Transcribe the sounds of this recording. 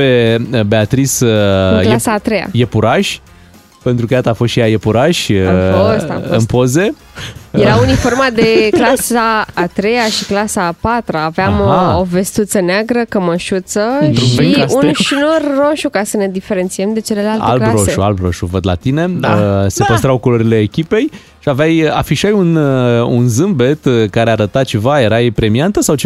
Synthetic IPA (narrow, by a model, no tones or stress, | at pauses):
pebe̞at̪ɾisklasaːt̪ɾeja̰jepuɾaʃʲ | pe̞nt̪ɾukəjat̪aːfost̪ʃijajepuɾaʃʲost̪a̰ɨ̰npo̞ze̞ | jeɾaunifo̞rmad̪e̞klasaːt̪ɾe̞jaʃiklasapat̪ɾaːveamove̞st̪ut̪səneaɡɾəkəməʃut̪səʃiunʃinorːo̞ʃukasəne̞d̪ife̞ɾe̞nt̪sie̞md̪e̞t͡ʃe̞le̞laltaḛlklaɾsoeʃua̰lbɾo̞ʃuvəd̪la̰t̪ine̞se̞pəst̪ɾawkoloɾile̞ːkʲipe̞j | ʃiaveaja̰fiʃajunṵnzɨmbe̞t̪kaɾeaɾət̪at͡ʃe̞vaje̞ɾajpɾe̞miant̪əsawt͡ʃe